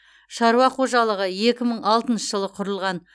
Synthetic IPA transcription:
ʃɑɾuɑqʰo̞ʒɑlˠəʁəje̞kʲɪməɴɑlˠt̪ənʃəʒəlˠəqʰʊɾəlˠʁɑn

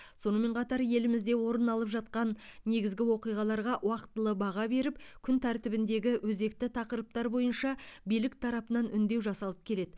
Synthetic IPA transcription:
so̞nəme̞ɴqʰɑt̪ɑɾje̞lɪmɪzd̪e̞wo̞ɾənɑlˠəpʒɑt̪̚qɑnːe̞ɡʲɪzɡʲɪwo̞qijʁɑlˠɑɾʁɑʔwɑqət̪ːəlˠəbɑʁɑbe̞ɾɪpkʲʰʏnt̪ʰæɾt̪ɪbɪnd̪e̞ɡʲɪwʔɵze̞k̚t̪ɪt̪ʰɑqəɾəp̚t̪ɑɾbo̞jənʃɑbijlɪkt̪ʰɑɾɑpənɑnʔʏnd̪e̞wʒɑsɑlˠəp̚kʲʰe̞le̞d̪ɪ

